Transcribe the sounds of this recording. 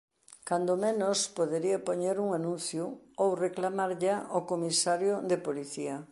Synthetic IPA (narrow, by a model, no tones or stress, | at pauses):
kand̪omenospoðeɾiapoɲeɾuŋanũnθjʊowreklamaɾʎaʔokomisaɾjʊðepoliθiɐ